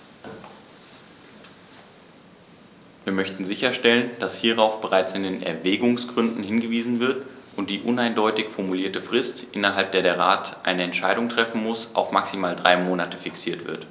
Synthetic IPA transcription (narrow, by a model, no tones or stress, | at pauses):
viːɐmœçtn̩zɪçɐʃtɛlənd̥ashiːʁ̞aʊfb̥əʁaɪt͡sɪndeːnɛ̰ɐvɛːɡʊŋsɡ̥ʁʏndn̩hɪnɡəviːzn̩vɪɐtʔʊnt̚d̥iːʔʊnaɪndɔʏtɪçfɔɐmuliːɐtəfʁ̥ɪstʔɪnɐɦalp̚d̥eːɐdeːɐʁaːtʔa̰ɪnəɛntʃaɪdʊŋtʁ̥ɛfn̩mʊsʔa̰ʊfmaksimaːldʁaɪmoːnatəfɪksiːɐtv̥ɪ̰ɐt